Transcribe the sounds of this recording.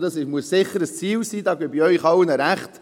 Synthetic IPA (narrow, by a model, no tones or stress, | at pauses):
d̪ɑsɪʃmuəssɪχːəɾəst͡siːlsiːd̪ɑːɡɛbiœʏχɑwənəɾæχt